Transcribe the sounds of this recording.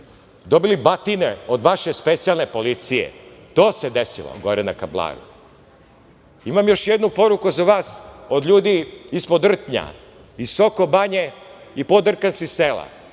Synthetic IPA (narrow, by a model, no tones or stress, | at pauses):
d̪obilibat̪ineod̪ʋaʃespet̪sijalˠnepo̞lit̪sijḛt̪oːsed̪esḭlˠo̰ɡo̞ɾena̰kablˠa̰ːɾṵ | imamjo̞ʃjed̪nupo̞ɾukuzaʋaːsod̪ʎuːd̪iːspod̪r̩t̪ɲa̰ | isoko̞baɲeipod̪r̩kansiselˠa̰